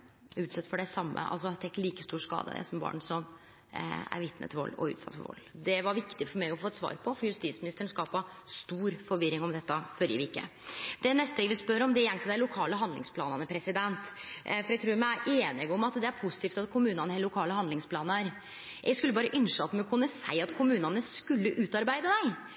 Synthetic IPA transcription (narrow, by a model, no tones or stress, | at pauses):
ʉːt̪sɛt̪ːfɔɖɛsɑmːə̰ʔɑ̰ls̬ɔt̪ʰɛkːliːkəst̪uːʂkɑ̰ːd̪ə̰d̪ɛ̰sɔmbɑ̰ːɳsɔm | æ̰ɾʋɪt̪nə̰t̪ʰɪlʋɔ̰lːɔ̰ʉ̰ːt̪sɑt̪fɔ̰ɾʋɔ̰lːd̪ɛʋɑɾʋɪkt̪ɪfɔɾmɛɪɔfoːɛt̪sʋɑ̰ːɾpʰɔfɔɾjʉst̪iːt̪smɪnɪst̪əɳ̩skɑːpɑst̪uːɾfɔɾʋɪɾɪŋɔmd̪ɛt̪ːəfœɾjəʋikːə̰d̪̥ɛnɛst̪əɛːɡəʋɪspœɾɔmd̪ɛjɛŋt̪ʰɪld̪æɪlʊkʰɑːləɦɑnd̪lɪ̰ŋspʰlɑ̰ːnɑnəpʰɾɛsɪd̪ɛnt̪fɔɾjɛɡ̚t̪ʰɾuːɾmææʔeːnɪɡɔmɑt̪d̪ɛæɾpʰʊsɪt̪ʰiːft̪ɑt̪kʰʊmʉːnɑnəhɛllːʊkʰɑːləhɑnd̪ɪŋspʰlɑːnəɾ | jʔɛskʉlːəbɑːɾəʔʏnʂɑt̪ːmɛkʰʊnːəsæ̰ɪɑt̪kʰʊmʉːnɑnəskʉlːəʔʉːt̪ɑɾbæɪd̪əd̪æɪ